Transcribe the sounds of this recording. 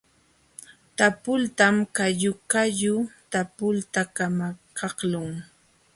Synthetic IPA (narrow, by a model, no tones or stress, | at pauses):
t̪apʊlt̪amkajʊkajʊt̪apʊlt̪akamakʰɑhlʊŋ